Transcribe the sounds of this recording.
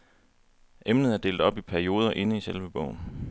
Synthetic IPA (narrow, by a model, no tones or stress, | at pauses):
ʔemnəð̞̩ˠæɐd̥e̝̰ːld̥ɒ̽b̥ipʰæɐio̝ːð̞ˠɐʔe̝nəiselʋəb̥ɔʊn